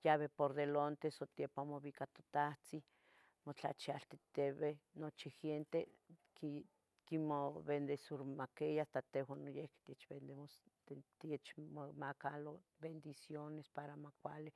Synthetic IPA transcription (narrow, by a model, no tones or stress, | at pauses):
jaβepoɾðelont̪esot̪jepamoβikat̪o̥t̪aht͡si | mot͡ɬa̰t͡ʃialt̪e̥t̪eβenot͡ʃixent̪e | ki | kimoβend̪esuɾmakejast̪at̪ewanojehke̥t̪iet͡ʃbend̪eoset̪iet͡ʃmomakalo | bend̪isjonespaɾamakʷali